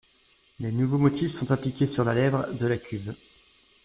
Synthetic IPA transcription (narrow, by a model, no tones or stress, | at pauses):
lenuvomɔt̪ifsɔ̃t̪aplikʲesyʁlalɛvʁd̪əlakʲɥiz